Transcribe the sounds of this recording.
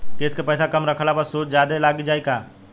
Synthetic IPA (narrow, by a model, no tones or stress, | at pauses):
keːskepəjsakəmɾəkʰəlabəsoːt͡ʃd͡ʒjad̪elaɡid͡ʒaːjkaː